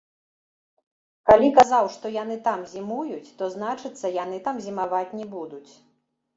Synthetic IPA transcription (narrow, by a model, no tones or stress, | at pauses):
kalʲikazawʂt̪ɔjanɨt̪amzʲimujut͡sʲt̪ɔznat͡ʂɨt̪sːɐjan̪ɨt̪amzʲimavat͡sʲnʲɛbud̪ut͡sʲ